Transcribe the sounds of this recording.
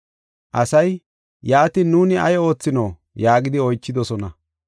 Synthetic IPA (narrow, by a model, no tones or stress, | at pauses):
ʔɐsɐj | jaːt̪ɪnuːnɪɐjo̞ːt͡sːɪno | jaːɡɪd̪ɪɔjt͡ʃːɪd̪ɔsɔnɐ